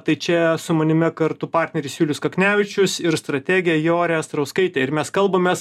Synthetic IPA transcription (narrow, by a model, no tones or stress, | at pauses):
t̪ɐɪt͡ʃʲɛsʊmɐnʲɪmʲɪkɐɾt̪ʊpɑːɾʲt̪ʲnʲɛɾʲɪːsʲjʲuːlʲɪskɐknʲæːʋʲɪt͡ʃʲʊsɪɾst̪ɾɐt̪ʲæːɡʲɪjɛjoːɾʲɛːst̪ɾɐʊskɐɪt̪ʲɛːɪɾmʲɛskɐlˠbɐmʲeːs